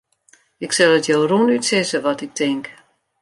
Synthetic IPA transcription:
ɪksɛlˠətjowrunytsɪsəʋɔtɪk̚tʰɪŋk

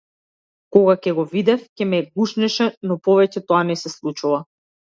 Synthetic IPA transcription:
kɔɡacɛɡɔvid̪ɛfcɛmɛɡuʃnɛʃɛnɔpɔvɛcɛt̪ɔanɛsɛslˠut͡ʃuva

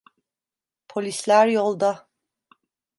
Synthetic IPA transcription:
pʰolʲislʲæɾjolˠd̪a

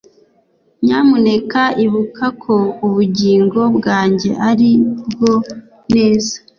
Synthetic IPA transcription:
ɲaːmune̞kaiβukʰakʰouβuɟiːŋɡo̞bɡaːɲɟe̞̰ʔaɾib̚ɡo̞ | ne̞ːzḁ

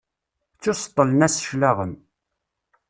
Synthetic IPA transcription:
t͡sːʊsə̥t̪ˤːələnæsə̥ʃlaʁən

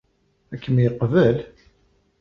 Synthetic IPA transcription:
ækːəmjəqːvəl

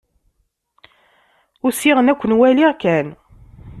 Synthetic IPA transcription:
ʊsiʁənækʷːənwæliʁkæn

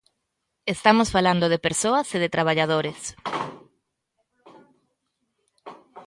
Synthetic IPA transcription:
est̪amosfaland̪oðepeɾsoɐseðet̪ɾaβ̞aʎaðoɾes

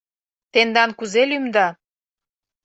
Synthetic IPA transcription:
t̪end̪ɑnkuzelymd̪ɑ

